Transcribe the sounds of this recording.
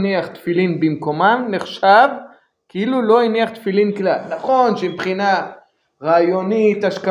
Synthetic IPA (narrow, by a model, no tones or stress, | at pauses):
niaχt̪filinbimko̞mamneχʃav | kiilulo̞iniaχt̪filinklalnaχo̞nʃepχina | ʁaːjo̞nit̪aʃka